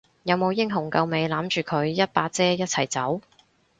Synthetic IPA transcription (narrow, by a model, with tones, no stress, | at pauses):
jɐ˨˧wmo˨˧wjɪ˥ŋɦʊ˨˩ŋkɐ˧wme˨˧jlaː˨˥mt͡ʃyː˨kʰɵ˨˧˥ɥjɐ˥t̚paː˧t̚t͡sɛː˥jɐ˥t̚t͡sʰɐ˨˩jt͡sɐ˨˥w